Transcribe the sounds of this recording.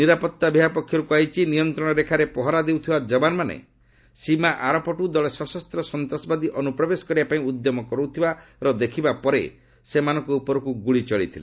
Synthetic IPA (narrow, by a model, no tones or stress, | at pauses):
niɾapɔt̪ːabʱiɦapɔkʰːjɔɾukuajt͡ʃʰinijɔnt̪ɾɔɽ̃ɔɾekʰaɾepɔɦɔɾad̪ewt̪ʰibad͡ʒɔbanmanḛ | simaʔaɾɔpɔʈud̪ɔɭesɔsɔst̪ɾɔsɔnt̪ɔsɔbad̪iʔɔnupɾɔbesɔ̥kɔɾibapaĩud̪jɔmɔkɔɾut̪ʰibaɾɔd̪ekʰibapɔɾḛ | semanɔ̃ŋkɔupɔɾɔkuɡuɭit͡ʃɔɭit̪ʰile